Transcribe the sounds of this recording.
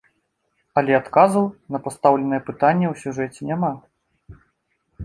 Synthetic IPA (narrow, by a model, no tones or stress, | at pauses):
ɐlʲɛat̪kazuwnɐpast̪awlʲɛnɐjɛpɨt̪anʲːɛwsʲuʐɛt͡sʲɛnʲama